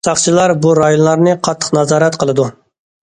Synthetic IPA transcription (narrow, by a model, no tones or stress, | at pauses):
sɑχt͡ʃʰilˠɑɾbuɾɑjonlˠɑɾnɨqʰɑt̪ʰːə̥qnɑzɑːɾɛt̪qʰəlˠɨd̪u